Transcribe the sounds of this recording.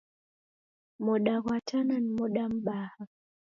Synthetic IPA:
moɗaɣwatananmoɗamɓaha

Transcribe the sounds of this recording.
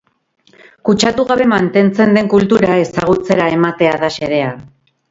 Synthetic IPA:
kut͡ʃat̪uɣaβe̞mant̪e̞nt͡se̞nd̪e̞ŋkult̪uɾae̞saɣ̞ut͡se̞ɾaemat̪e̞aðaʃe̞ɾe̞a

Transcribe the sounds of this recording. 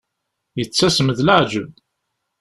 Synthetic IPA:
jət͡sːæsməðləʕd͡ʒəb

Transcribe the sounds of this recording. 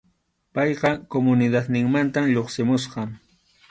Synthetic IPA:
pɑjɢɑkomʊnɪd̪at̪nɪŋmant̪amʎoχsɪmʊsɢɑŋ

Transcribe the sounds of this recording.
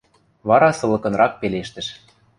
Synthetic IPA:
βɑɾɑsɤ̆lɤ̆kɤ̆nɾɑk̚peleʃt̪ə̆ʃ

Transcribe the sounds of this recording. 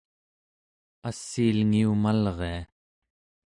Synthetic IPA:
asːiːlŋiumalʁe̞a

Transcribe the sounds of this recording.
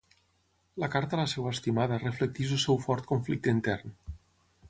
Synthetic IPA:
lakaɾt̪alasɛwaest̪imaðəreflek̚t̪iʃulsɛwfɔɾt̪̚koɱflik̚t̪int̪ɛrn

